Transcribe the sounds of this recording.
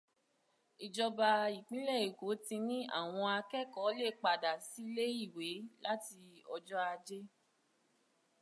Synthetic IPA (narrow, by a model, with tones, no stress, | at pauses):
i˨d͡ʒɔ˧ba˧i˨k͡pĩ˨˦lɛ˦˨i˨ko˨˦tĩ˧nĩ˦a̰˦˨w̃ɔ̃˧a˧kɛ˦˨kɔ˨˦le˦˨k͡pa˨da˨si˨˦le˦i˦˨we˨˦la˦ti˧ɔ˧d͡ʒɔ˦a˧d͡ʒe˦